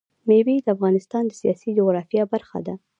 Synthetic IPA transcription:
mebed̪əafɣɑnɪst̪ɑnd̪əsijɑsid͡ʒʊɣɾɑfjɑbaɾxa̰d̪a

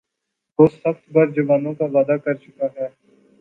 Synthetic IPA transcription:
ʋoːsəxt̪bəɾd͡ʒəʋaːnõkaʋaːd̪akɐɾt͡ʃʊkaɦɛː

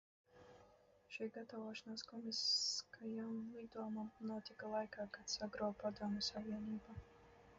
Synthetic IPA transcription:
ʃijɡat̪avɔʃanaːskɔmiskajaid̪uɔmanuɔt̪ʲikalˠajkaːkat̪saɡɾɔːpad̪uɔmʲɛsaviɛniːba

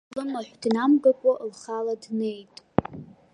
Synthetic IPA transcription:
lɨmaħᶣʷd̥namɡakʷʼaʔlχaladne̞jtʼ

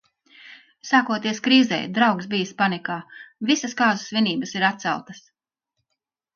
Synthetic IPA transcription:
saːkuɔt̪iɛskɾiːzɛ̰jd̪ɾawksbijspanikaːvisɐskaːzusvʲiniːbəsiɾat̪t̪sa̰lˠt̪ɐs

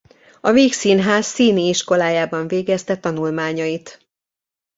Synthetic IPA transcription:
ɒveːksiːnɦaːsːiːniiʃko̞laːjaːbɒɱveːɡɛst̪ɛt̪ɒnulmaːɲɒjit̪

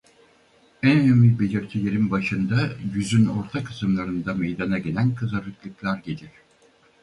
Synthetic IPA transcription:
ænønymʲibelʲiɾt̪ʰijeɾimbaʃɯnd̪ajyzyno̞ɾt̪ʰakʰɯ̥sɯmlˠaɾɯnd̪amejd̪anaɟe̞lʲænkʰɯzaɾɯklˠɯklˠaɾɟelʲiɾ̥

